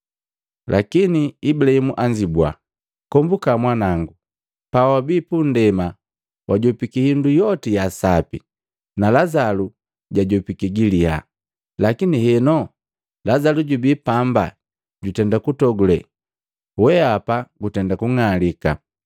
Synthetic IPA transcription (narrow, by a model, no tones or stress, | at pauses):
lʔakiniibulaimuʔaɲd͡ʒibwa̰ | kɔmbukamwanaŋɡu | pawabiːpundɛma | wʔaɟɔpikihindujɔtijasapḭ | nalazalu | ɟaɟɔpikiɡiliha̰ | lakinihɛnɔ | lazaluɟubipamba̰ | ɟutɛndakutɔɡulɛ | wɛapaɡutɛndakuŋalika̰